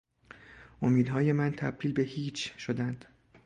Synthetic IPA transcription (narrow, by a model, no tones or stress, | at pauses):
ʔo̞miːd̪ɦɒːje̞mænt̪ʰæb̚d̪iːlbe̞hiːt͡ʃʰʃo̞d̪ænd̪̥